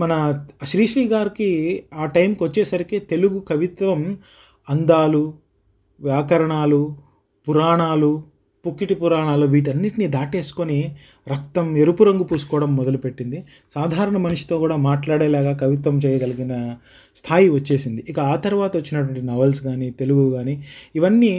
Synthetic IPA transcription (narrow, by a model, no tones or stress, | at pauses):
mɐnɐʃɾiːʂliːɡaːɾikiaːʈɐjmkiʋɐt͡ʃːɛːsɐɾiket̪e̞luɡukɐʋit̪ʋɐm | ɐnd̪aːlu | ʋjaːkɐɾɐɳaːlu | puɾaːɳaːlu | pukːiʈipuɾaːɳaːluʋiːʈ̬ɐnːiʈinid̪aːʈe̞ːsu̥koni | ɾɐkt̪ɐmeɾupuɾɐŋɡupuːsu̥kɔːɽɐmːɔd̪ɐlupe̞ʈːind̪i | saːd̪ʱaːɾɐɳɐmɐnuʂi̥t̪o̞ːkuːɽaːmaːʈlaːɽeːlaːɡaːkɐʋit̪ʋɐmt͡ʃɛːjɐɡɐliɡinɐ | st̪ʰaːjiʋɐt͡ʃːe̞ːsind̪iʔikɐaːt̪ɐɾʋaːt̪ɐʋɐt͡ʃːinɐʈʋɐɳʈinɐʋɐlsɡaːniːt̪e̞luɡuɡaːniiʋɐnːi